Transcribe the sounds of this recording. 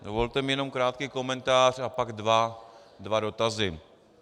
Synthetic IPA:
dovolt̪ɛmjɛno̞mkɾaːt̪kiːko̞mɛnt̪aːr̝apaɡdva | dvado̞t̪azɪ

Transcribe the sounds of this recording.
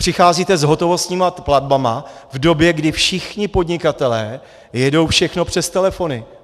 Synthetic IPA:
pr̥ɪxaːziːt̪ɛzɦo̞t̪ovo̞st̪ɲiːmapladbamavdo̞bjɛɡdɪfʃɪxɲɪpo̞dɲɪkat̪ɛlɛː | jɛdo̞wfʃɛxno̞pr̝̥ɛst̪ɛlɛfo̞nɪ

